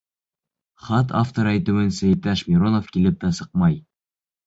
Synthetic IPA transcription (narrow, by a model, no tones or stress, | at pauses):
χɑt̪aft̪oɾæjt̪ʉ̆wɘnsæ̆jt̪æʃmʲiɾonofkilɘp̚t̪æsɤ̥q̚mɑj